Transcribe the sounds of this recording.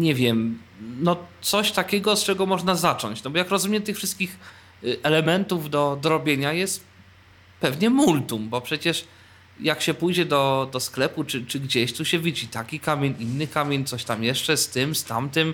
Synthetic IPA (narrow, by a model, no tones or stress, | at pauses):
ɲɛvʲjɛm | nɔt̪sɔɕt̪akʲɛɡɔst͡ʂɛɡɔmɔʐnazat͡ʂɔ̰ɲt͡ɕnɔbɔjakɾɔzumʲjɛt̪ɘxfʂɘst̪kʲix | ɛlɛmɛnt̪uvd̪ɔd̪ɔɾɔbʲjeɲajɛst̪ | pɛvɲɛmult̪umbɔpʂɛt͡ɕɛʂ | jakɕɛpujd͡ʑɛd̪ɔd̪ɔsklɛput͡ʂɘt͡ʂɘɡd͡ʑeɕt̪uɕɛvʲid͡ʑit̪akʲikamʲjeɲinːɘkamʲjeɲʲt̪sɔɕt̪amjɛʂt͡ʂɛst̪ɘmst̪amt̪ɨm